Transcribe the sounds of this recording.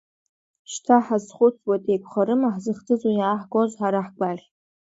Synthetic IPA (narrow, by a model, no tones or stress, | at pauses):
ʃtʰaħazχʷʊtʰwatʼejkʷʰχaɾɨmaħzɨχd͡zʰʼɨzunjaːħɡozħaɾaħɡʷaɮʲ